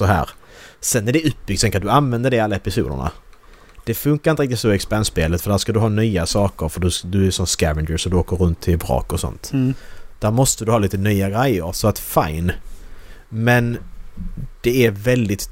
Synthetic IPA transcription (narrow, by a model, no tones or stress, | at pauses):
sɔɦæ̰ːɾsɛnːæɖɛɵp̚b̥ʏɡ̚t̪ʰɛŋkːad̪ɵanvɛnd̪əɖɛalːaɛpɪsṵːd̪ə̰ɳa̰ | d̪̥ɛfɵŋkaɾɪnɾɪk̚t̪ɪt̪sɔɛkspɛnsbeːlət̪fœɖæːʂkad̪ɵɦɑːnyːasɑːkəɾfœɖɵd̪ɵæʂɔmskævɪnd͡ʒəsɔd̪ɵoːkəɾɵnt̪ʰːɪbɾɑ̰ːkɔsɔ̰nt̪ | d̪̥æːɾmɔst̪əd̪ɵhɑːiːt̪ənyːaɡɾɛjːəɾsɔat̪fa̰jn | mɛn | d̪̥ɛævɛld̪ɪt̪